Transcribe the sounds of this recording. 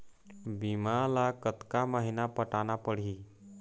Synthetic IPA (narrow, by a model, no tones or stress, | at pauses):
bimalakət̪kaməɦinapəʈanapəɽ̤i